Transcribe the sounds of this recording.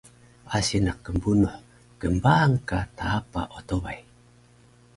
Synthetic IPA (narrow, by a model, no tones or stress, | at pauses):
asinakːəmbunuħ | kəmbaːŋkat̪aːpa̰ʔot̪ovaj